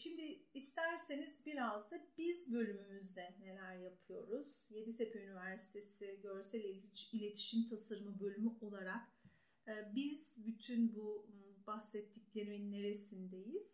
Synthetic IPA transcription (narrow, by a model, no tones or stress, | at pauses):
ʃimd̪ɪːst̪ʰæɾse̞nizbiɾazd̪abizbø̞lʲymymyzd̪ɛne̞lʲæɾjapʰɯjo̞ɾuz̥je̞d̪it̪epʰeynivæɾsi̥t̪ʰe̞siɟøɾsɛlʲeiilʲe̞t̪ʰi̥ʃimt̪ʰasaɾɯmɯbø̞lʲymyʔo̞lˠaɾakː | biz̥byt̪ʰynbubaxsɛt̪ʰːiclʲe̞ɾiminːe̞ɾe̞sind̪e̞jiz̥